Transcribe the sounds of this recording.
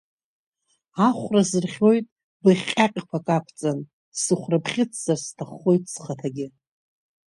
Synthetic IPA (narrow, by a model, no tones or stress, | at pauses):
aχʷrazɨrχʲo̞jtʼ | bɨχʲʼaqʲʼkʷʰakʼapʰt͡sʼan | sɨχʷrapʰχʲɪt͡sʰz̥arstʰaχːo̞jtʼsχatʰaɡʲɪ